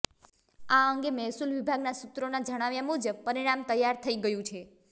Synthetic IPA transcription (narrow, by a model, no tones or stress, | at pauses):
aəŋɡemɛɦsulʋibʱaɡnasut̪ɾonad͡ʒəɽ̃aʋjamud͡ʒəb̚pəɾiɽ̃amt̪əjːaɾt̪ʰəiɡəjũt͡ʃʰe